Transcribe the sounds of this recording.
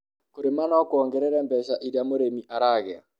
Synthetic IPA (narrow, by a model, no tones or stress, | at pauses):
koɾemanɔkwɔŋɡɛɾɛɾɛmbɛʃaʔiɾamoɾemiʔaɾaːɣɛa̰